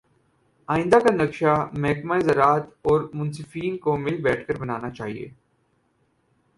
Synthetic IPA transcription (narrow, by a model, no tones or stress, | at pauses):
aːɪ̃nd̪akanɐkʃamɛːkmaezɐɾaːt̪ɔːɾmʊ̃nsɪfiːnkomɪlbɛːʈʰkəɾbɐnaːnat͡ʃaːɦḭḛː